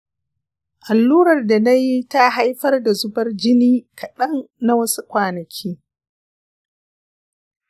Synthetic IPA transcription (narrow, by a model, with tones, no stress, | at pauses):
ʔa˨lːuː˦ɾɐ˨rda˨na˦ji˦ta˦ɦa˦jɸɐ˦rda˨zʊ˦bɐ˦rd͡ʒɪ˦niː˦kʰɐ˨ɗɐ˦nːa˦wɐ˦su˦kʷaː˨nɐ˨kʲʰiː˦